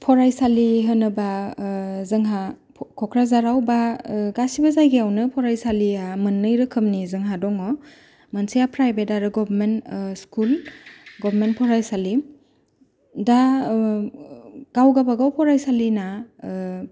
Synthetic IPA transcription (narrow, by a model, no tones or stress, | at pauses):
pʰɔɾajsaliɦɯnɯba | zɯŋɦa | kʰɔkʰɾazaɾawbaɡasibazajɡiawnɯpʰɔɾajsaliamɯnːɯjɾɯkʰɯmnizɯŋɦadɔŋɔ | mansijapʰɾajbedaɾɯɡɔbʱɾmentskulɡɔbʱɾmentpʰɔɾajsali | da | ɡ̥awɡabaɡawpʰɔɾajsalina